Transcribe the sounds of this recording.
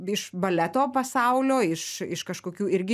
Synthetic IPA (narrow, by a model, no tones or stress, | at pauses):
ɪʃbɐlʲæt̪oːpɐsɐʊlʲoːɪʃɪ̰ʃkɐʃkoːkʲuːɪɾʲɡʲɪ